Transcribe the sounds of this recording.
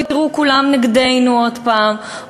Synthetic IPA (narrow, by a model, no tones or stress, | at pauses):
it̪iʁukulamnaɡd̪e̞jnuod̪paːm